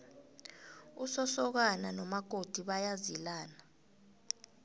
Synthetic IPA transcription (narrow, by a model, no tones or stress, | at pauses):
usɔsɔk̬ananɔmaɡ̥ʱod̥ʱiɓajazilaːna